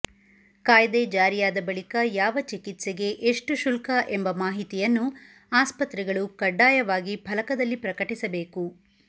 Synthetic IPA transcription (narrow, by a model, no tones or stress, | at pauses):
kaːjɐd̪ed͡ʒaːɾijaːd̪ɐbɐɭikɐjaːʋɐt͡ʃikit̪seɡe̞ʔeʂʈuʃulkɐʔembɐmaːɦit̪ijɐnːu | aːspɐt̪ɾɛɡɐɭukɐɖːaːjɐʋaːɡibʱɐlɐkɐd̪ɐlːipɾɐkɐʈisɐbe̞ːku